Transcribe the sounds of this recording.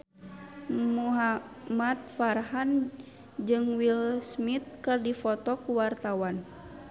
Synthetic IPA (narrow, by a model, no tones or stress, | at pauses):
muɦamat̪̚farɦan | d͡ʒɨŋwilsmit̪̚kɨrdifɔt̪ɔkuwart̪awan